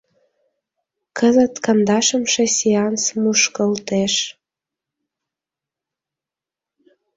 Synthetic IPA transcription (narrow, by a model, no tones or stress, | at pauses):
kəzət̪kənd̪ɑʃə̆mʃesiɑnsmuʃkəlt̪eʃ